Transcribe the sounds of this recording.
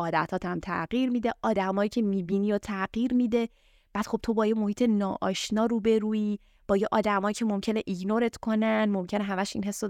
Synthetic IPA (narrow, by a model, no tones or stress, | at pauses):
ɒːd̪æ̰t̪ʰɒːt̪ʰæmt̪ʰæ̰ɢiːɾmid̪e̞ʔɒːd̪æmɒːjiːcʰe̞miːbiniːjot̪ʰæɢiːɾmid̪e̞ | b̥æːd̪̥xo̞b̚t̪ʰo̞bɒːjemo̞hiːt̪ʰenɒːʔɒːʃnɒːɾuːbe̞ɾuːiː | b̥ɒːjeʔɒːd̪æmɒːjicʰe̞mo̞mcʰe̞ne̞ʔiɟnoɾe̞t̪kʰo̞nænmo̞mcʰe̞neɦæmæʃinɦe̞sːo